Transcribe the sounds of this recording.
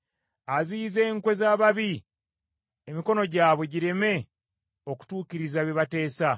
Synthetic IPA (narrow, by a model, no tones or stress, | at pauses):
aziːze̞ːŋkwe̞zaːβaβi | emiko̞no̞ɟaːβwe̞ɟiɾe̞me̞ | o̞ku̥tuːciɾizaβjeβate̞ːsa